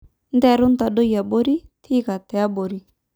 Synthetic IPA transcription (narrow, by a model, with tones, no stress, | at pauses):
nd̪ɛ˦ɾu˦nt̪a˨do˦ja˨bo˦ɾi˦t̪ʰi˦ka˨t̪ɛ˨a˦bo˨ɾi˦